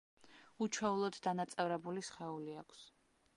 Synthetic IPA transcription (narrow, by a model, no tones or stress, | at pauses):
ut͡ʃʰɛulˠɔd̪d̪anat̪sʼɛvɾɛbulisχɛuliakʷʰs